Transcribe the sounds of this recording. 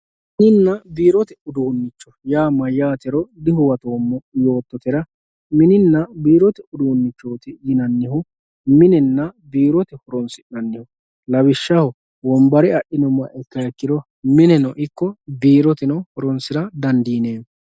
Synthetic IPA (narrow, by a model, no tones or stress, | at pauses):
ɪnɪnːɐbiːɾɔt̪ɛʊd̪uːnːɪt͡ʃːɔjaːmːɐjaːt̪ɛɾɔd̪ɪhʊwɐt̪oːmːɔjoːt̪ːɔt̪ɛɾɐ | mɪnɪnːɐbiːɾɔt̪ɛʊd̪uːnːɪt͡ʃːoːt̪ɪjɪnɐnːɪhʊ | mɪnɛnːɐbiːɾɔt̪ɛhɔɾɔnsɪnɐnːɪhʊ | lɐbɪʃːɐhɔ | wɔmbɐɾɪɐʔɪnɔmːɐʔɛkːɐjɐkːɪd̪ɔ | mɪnɛnɔʔɪkːɔbiːɾɔt̪ɛnɔhɔɾɔnsɪɾɐd̪ɐnd̪iːneː